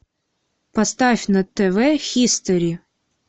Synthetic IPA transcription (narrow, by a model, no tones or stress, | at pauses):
pɐst̪afʲnɐt̪ɛvɛxʲist̪əɾʲi